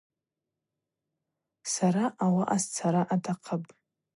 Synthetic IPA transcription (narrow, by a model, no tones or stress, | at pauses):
saɾaʔawaʔast͡sʰaɾaʔadʰaqʰəpʼ